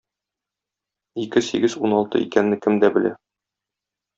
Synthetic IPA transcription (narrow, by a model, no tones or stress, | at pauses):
ikɘsḭɡɘzunɒlˠt̪ɤ̰ḭkænːɘkɘmd̪æbɘ̆læ̰